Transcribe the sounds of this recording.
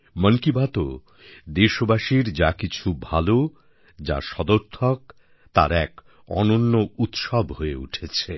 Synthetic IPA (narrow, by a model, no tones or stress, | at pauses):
mənkibat̪o | d̪eʃobaʃiɾd͡ʑakit͡ɕʰubʱalo | d͡ʑa̰ʃɔd̪oɾt̪ʰok | t̪a̰ɾɛk | ɔ̰nonːout̪ʃɔbɦoeṵʈʰet͡ɕʰe